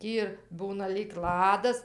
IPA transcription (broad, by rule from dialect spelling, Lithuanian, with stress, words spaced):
ˈtʲiː ɪr ˈbuːnɐ lʲiːk ˈlˠɑːdɐs